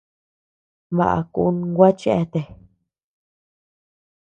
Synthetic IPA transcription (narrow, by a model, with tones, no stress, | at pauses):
βa̰˨ʔa̰˨ku˧˦nɡʷa˦t͡ʃe˦ʔe˦˧t̪e˨